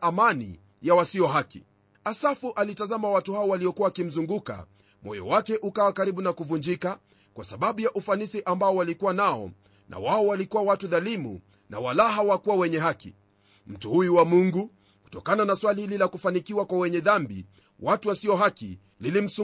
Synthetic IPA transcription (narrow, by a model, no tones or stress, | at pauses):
amanḭ | jawasiɔɦakḭ | asafuʔalitazamawatuhaɔwaliɔkuwakim̩zuŋɡuka̰ | mɔ̰jɔ̰wakɛʔukawakaɾiɓunakuvuɲd͡ʒika | kwasaɓaɓujaʔufanisiʔambaɔwalikuwanaɔ̰ | nʔa̰waɔwalikuwawatuðalimṵ | na̰walaɦawakuwawɛɲɛɦakḭ | m̩tuhujuwamuŋɡu | ku̥tɔkananaswalihililakufanikiwakwawɛɲɛðambḭ | watuwasiɔɦakḭ | lilim̩su